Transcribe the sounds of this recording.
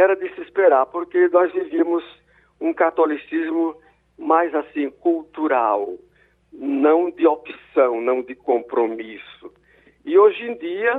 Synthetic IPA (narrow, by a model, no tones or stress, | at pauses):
ɛɾɐd̪ɪsɪispeɾaɾpoɾkenɔzvivĩɐmʊz | ũkat̪olisizmʊ | majzasĩkult̪uɾaw | nɐ̃w̃d̪ɪopsɐ̃w̃nɐ̃w̃d̪ɪkõpɾomisʊ | ɪoʒẽd̪iɐ